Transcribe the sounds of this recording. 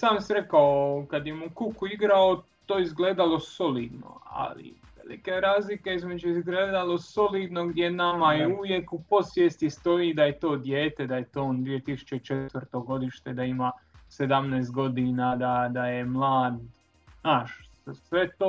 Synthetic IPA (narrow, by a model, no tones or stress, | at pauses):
saːmsiɾekaokad̪jemukukuiɡɾaot̪oːizɡleːd̪alo̞so̞liːd̪no̰a̰lḭ | ʋḛlḭkeɾaːzlike̞izme̞d͡ʒuizɡleːd̪alˠo̞so̞liːd̪no̞ɡd̪je̞namajeuʋje̞kupo̞sʋjeːst̪ist̪o̞id̪ajet̪o̞ːd̪jeːt̪e̞d̪ajet̪oːond̪ʋije̞t̪isu̥t͡ʃet͡ʃe̞t̪ʋəɾt̪o̞ɡo̞d̪iʃt̪e̞d̪aimased̪amneːst̪̚ɡo̞d̪inad̪ad̪ajemlˠaːd̪ | naːʃ | sʋe̞t̪oː